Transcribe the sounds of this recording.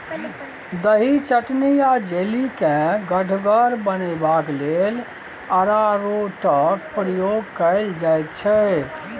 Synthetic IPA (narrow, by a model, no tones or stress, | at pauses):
d̪əɦit͡ʃəʈnijad͡ʒelikẽɡəɖʱɡəɾbənɛbaklel | əɾaɾoʈəkpɾəjoɡkəɪld͡ʒajt̪̚t͡ʃʰɛ